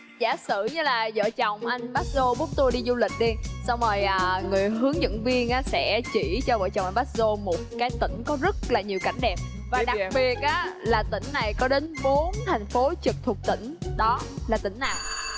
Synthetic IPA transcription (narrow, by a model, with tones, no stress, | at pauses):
za̰ː˧˩sɨ̰˧˩ɲɨ˧laː˨˩zə̰ː˧˨t͡ɕɔ˨˩wŋ͡mʔa˧jŋ̟ɓaː˦˥t̚zo˧ɓu˦˥ət̚t̪o˧jɗi˧zu˧lï˨˩k̟̚ɗi˧sa˧wŋ͡məː˨˩jʔəː˨˩ŋɨ˨˩əjɦɨ˨˦əŋzɨ̰˧˥ŋvi˧ənʔaː˨˦sɛ̰˧˥t͡ɕi˧˩t͡ɕɔ˧və̰ː˧˩jt͡ɕɔ˨˩wʔŋɓaː˦˥t̚zo˧mo˨˩t̚kaː˨˦jt̪ï˧˩ŋ̟kɔ˨˦zə˦˥t̚laː˨˩ɲi˨˩əwka˧˩jŋ̟ɗɛ˨˩p̚ | vaː˨˩ɗa˨k̚ɓi˨˩ət̚ʔaː˨˦laː˨˩t̪ï˧˩ŋ̟na˨˩jkɔ˨˦ɗe˨˦nɓo˨˦nt̪ʰa˨˩jŋ̟fo˨˦t͡ɕɨ˨˩k̚t̪ʰu˨˩ək̚t̪ḭ̈˧˩ŋ̟ɗɔ˨˦laː˨˩t̪ï˧˩˦ŋ̟naː˨˩w